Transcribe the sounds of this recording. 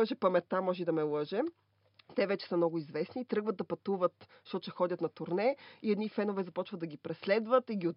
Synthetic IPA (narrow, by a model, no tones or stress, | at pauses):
ɛʃɛpɐmɛt̪amɔʒɛd̪ɐmɛlˠɤʒɛ | t̪ɛvɛt͡ʃɛ̥səmnɔɡʊizvɛsnit̪ɾɤɡvət̪̚d̪ɐpɐt̪uvət̪ | ʃt̪ɔt̪t͡ʃɛxɔd̪ʲət̪nɐt̪ʊɾnɛiɛd̪nifɛnovɛzɐpɔt͡ʃvəd̪ɐɡʲipɾɛslɛd̪vət̪iɡʲiʊ